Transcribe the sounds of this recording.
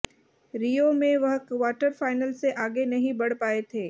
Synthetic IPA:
ɾijomẽʋɐɦkʋaːʈəɾfaːɪnəlseʔaːɡenɐɦĩbɐɽ̤paːet̪ʰeː

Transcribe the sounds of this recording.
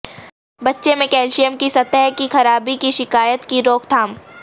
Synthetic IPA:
bɐtːʃemẽkɛːlʃijəmkisɐt̪ɛɦkixɐɾaːbikiʃɪkaːjət̪kiɾoːkt̪ʰaːm

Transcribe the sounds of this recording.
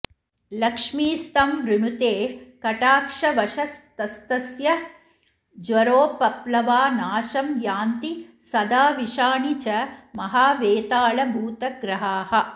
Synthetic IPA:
lɐkʂmiːst̪ɐmʋɾuɳut̪eːkɐʈaːkʂɐʋɐʃɐst̪ɐst̪ɐsjɐ | d͡ʒʋɐɾoːpɐplɐʋaːnaːʃɐmjaːnt̪isɐd̪aːʋiʃaːɳit͡ʃɐmɐɦaːʋeːt̪aːɭɐbʱuːt̪ɐɡɾɐɦaːhɐ̆

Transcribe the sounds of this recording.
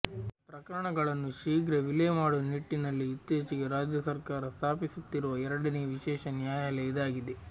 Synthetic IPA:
pɾɐkɐɾɐɳɐɡɐɭɐnːuʃiːɡɾɐʋilemaːɽuniʈːinɐlːiːt̪ːjeːt͡ʃiɡeɾaːd͡ʒjɐsɐɾkaːɾɐst̪ʰaːpisut̪ːiɾuʋɐɛɾɐɽɐneʋiʃɛːʃɐnjaːjalɛjd̪aːɡid̪e

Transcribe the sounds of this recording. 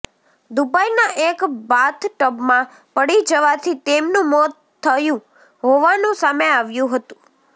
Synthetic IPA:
d̪ubajnaʔekbat̪ʰʈəbmã | pəɽid͡ʒəʋat̪ʰit̪emnũmɔt̪ʰːəjũ | ɦoʋanũsameaʋjũɦət̪ũ̥

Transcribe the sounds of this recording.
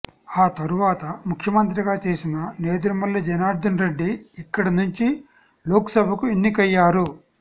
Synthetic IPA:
aːt̪ɐɾuʋaːt̪ɐmukʰjɐmɐnt̪ɾiɡaːt͡ʃe̞ːsinɐne̞ːd̪uɾɐmɐlːɐd͡ʒɛnaːɾd̪ɐnɾe̞ɖːiːkːɐɽɐnuɲt͡ʃi | loːksɐbʱɐkuenːikɐjːaːɾu

